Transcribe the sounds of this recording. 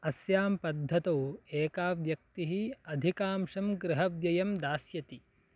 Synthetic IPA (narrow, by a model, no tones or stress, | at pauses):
ɐsjaːmpɐd̪ʱːɐt̪oːeːkaːʋjɐk̚t̪iɦiɐd̪ʱikaːmʂɐmɡɾɪɦɐʋjɐjɐmd̪aːsjɐt̪i